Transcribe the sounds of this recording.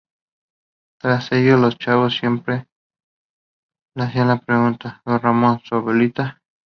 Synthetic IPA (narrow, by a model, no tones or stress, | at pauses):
t̪ɾasejolost͡ʃaβosːje̞mpɾe̞ | leaθianlapɾeɣunt̪aðonramõnsaβelit̪a